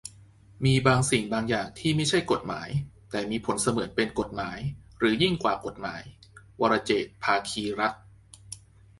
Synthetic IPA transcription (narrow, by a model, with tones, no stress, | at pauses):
miː˧baː˧ŋsi˨˩ŋbaː˧ŋjaː˨˩ŋt̪ʰiː˥˩ma˥˩jt͡ɕʰa˥˩jko˨˩t̪̚ma̰ː˩˦jt̪ɛː˨˩miː˧pʰo˩˦nsa˧mɯ˨˩˦ən̚pe˧nko˨˩t̪̚maː˩˦j | ɾɯː˩˦ji˥˩ŋkwaː˨˩ko˨˩t̪̚ma̰ː˩˦j | wa˧ɾa˧t͡ɕeː˨˩t̪̚pʰaː˧kʰiː˧ɾa˦˥t̪̚